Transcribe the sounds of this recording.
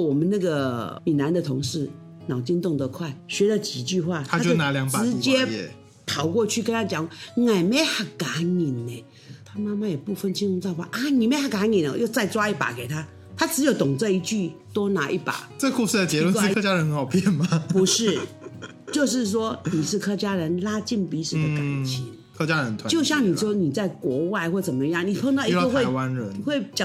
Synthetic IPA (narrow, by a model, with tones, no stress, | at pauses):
wɔ˨˩mə˨˦nnə˥˩ɡə˨˩mi˨˩na˧˥nd̪ə˨t̪ʰʊ˧˥ŋʂɻ̩˥˩ | nɑ˨˩ʊt͡ɕi˥nt̪ʊ˥˩ŋd̪ə˧kʰwa˥˩ɪɕɥɛ˧˥də˧t͡ɕi˨˩t͡ɕy˥˧xwa˥˩t̪ʰa˥˦˥t͡ɕjo˥˧˨na˧˥˦ljɑ˧˥ŋpaɻ̩˩˧˥t͡ɕjɛ˥˨ | t̪ʰɑ˧˥ʊkwɔ˥˧t͡ɕʰy˥˩kə˥nt̪ʰa˥t͡ɕjɑ˨˩˦ŋwŋa˨˩ɪme˧˥ɪxa˨˩ka˧˥ni˨˩nːe˨˩ | t̪ʰa˥ma˥ma˥˩jɛ˨˩pu˥˧˩fə˥˩nt͡ɕʰi˥nu˧˥˧t͡sa˥˧pa̰˥˧˩ʔa˥˧ni˨˩me˧˥xa˨˩ka˧˥ni˨˩n˨˦jo˥˧ʊt͡sa˥˩ɪt͡swa˥i˥˩pa̰˨˩ke˨˩ɪt̪ʰa˥ | t̪ʰa˥ʈ͡ʂɻ̩˧˥jo˧˩ʊt̪ʊ˨˩ŋt͡sɤ˥˧i˧˥t͡ɕy˥˩t̪o˥ʊna˧˥ʔi˥˩pa̰˨˩˦t͡sku˥˧ʂɻ̩˥˩d̪ə˩t͡ɕjɛ˧˦˥lkwa˥kɤ˥t͡ɕja˥ɻə˧˥nxə˧˥xɑ˨˩ʊpʰjɛ˥˩nma˨˩pu˧˥ʂɻ̩˥˩ | t͡ɕjo˥˧ʊʂ̬ɻ̩˥˩ʂ̬wɔ˥ni˨˩ʂɻ̩˥˧kʰɤ˥t͡ɕja˥ɻə˧˥nla˥t͡ɕi˥˩npi˧˥ʂɻ̩˨˩d̪ə˧ka˨˩nt͡ɕʰi˧˥ŋ | kʰɤ˥t͡ɕja˥ɻə˧˦nt̪ʰwt͡ɕjo˥˧ʊɕjɑ˥˩ŋni˨˩ʂwɔ˥ni˨˩t͡sa˥˩ɪkwɔ˧˥wa˥˧ɪxwɔ˥˩t͡sə˨˩mə˦˧˦jɑ˥˩ŋni˨˩pʰɤ˥˧ŋt̪ɑ˥˩ʊi˧˥˧xwe˥˧ɪ˦ɪwa˦nɻə˧˥˦nxwe˥˩ɪt͡ɕɑ˨˩